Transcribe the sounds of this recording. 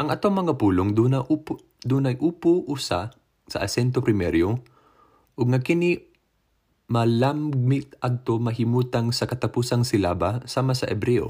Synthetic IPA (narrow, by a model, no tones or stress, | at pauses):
ʔɐŋʔɐt̪oŋmɐŋapuːloŋnɐʔ | d̪uːnɐjʔuːpoʔusa̰ | sɐ̰ʔɐsɛnt̪̬opɾɪmɛɾjo | ʔoɡ̚ŋɐkɪni | mɐlammɪt̪̚ʔɐd̪̚t̪omɐɦɪmuːt̪ɐŋsɐkɐt̪ɐpuːsɐŋsɪla̰ːbasaːmasɐ̰ʔɛbɾɛʔo̰